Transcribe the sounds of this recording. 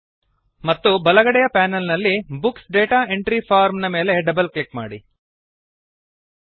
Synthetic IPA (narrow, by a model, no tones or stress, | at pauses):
mɐt̪ːubɐlɐɡɐɽɛjɐpaːnɐlnɐlːibuksɖeːʈaːe̞ɳʈɾipʰaːɾmnɐme̞ːle̞ɖɐbɐlklikma̰ːɽi